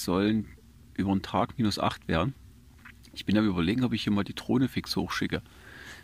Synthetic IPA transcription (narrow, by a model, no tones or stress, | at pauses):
z̥ɔlən | ʔyːbɐntʁ̥aːkmiːnʊsʔa̰χtv̥eːɐdn̩ | ʔɪçb̥ɪnamyːbɐleːɡŋ̩ɔpɪçhiːɐmaːldiːtʁ̥oːnəfɪkshoːxʃɪkə